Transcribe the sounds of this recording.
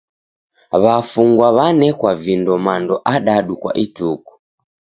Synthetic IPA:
βafuŋɡwaβanɛkwavindɔmandɔʔaɗaɗukwa̰ʔituku̥

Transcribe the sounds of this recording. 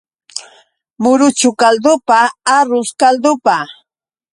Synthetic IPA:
mʊɾʊt͡ʃʊkald̪ʊpaaɾʊskald̪ʊpa

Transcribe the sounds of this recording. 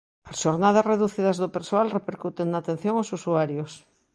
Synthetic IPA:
asʃoɾnað̞asreðuθiðazðopeɾsoalrepeɾkut̪eŋnaːt̪ẽn̟θjoŋosusuaɾjos

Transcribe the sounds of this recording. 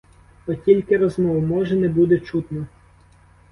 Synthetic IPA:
ɔtʲilʲkɪɾɔzmɔwmɔʒɛnɛbud̪ɛt͡ʃut̪nɔ

